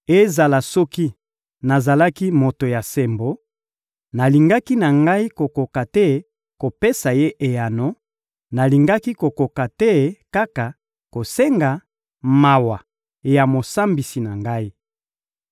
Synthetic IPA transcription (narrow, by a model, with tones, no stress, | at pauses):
e˦za˨la˨sɔ˦ki˦ | na˨za˨la˦ki˦mo˨to˨ja˨se˨mbo˨ | na˨li˨ŋɡa˦ki˦na˨ŋɡa˦i˦ko˨ko˨ka˨tɛ˦ | ko˨pe˦sa˨je˦ʔe˨ja˨no˦ | na˨li˨ŋɡa˦ki˦ko˨ko˨ka˨tɛ˦ka˦ka˨ | ko˨se˦ŋɡa˨ | ma˨wa˨ | ja˨mo˨sa˦mbi˨si˨na˨ŋɡa˦i˦